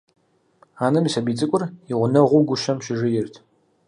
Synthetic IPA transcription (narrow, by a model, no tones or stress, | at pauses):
aːnɨmisɐbiːt͡sʼɨkʷʼʊriʁʷʊnɐʁʷʊɡʷʊʃɐmɕɪʒɪjɪrtʰ